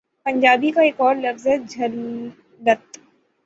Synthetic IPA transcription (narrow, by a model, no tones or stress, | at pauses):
pɐ̃ɲd͡ʒaːbikaeːkɔːɾlɐfzɦɛd͡ʒʱɐl | ɖɐt̪